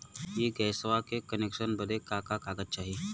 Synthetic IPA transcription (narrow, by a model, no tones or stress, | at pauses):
jeːɡɛːsʋakekənekʃənbəd̪ekakakaːɡət̪̚t͡ʃaːɦi